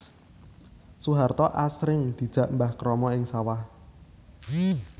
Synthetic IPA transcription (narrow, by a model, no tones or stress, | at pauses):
suɦart̪ɔʔasɾɪŋd̪̥i̤d̥d͡ʒ̥a̤ʔmbahkɾɔmɔɪŋsawah